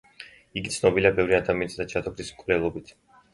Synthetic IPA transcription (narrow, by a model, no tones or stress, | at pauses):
iɡit̪sʰnɔbiliabɛvɾiad̪amiɛnsd̪at͡ʃʰat̪ʰɔkʰɾismkʼvɾɛlˠɔbit̪ʰ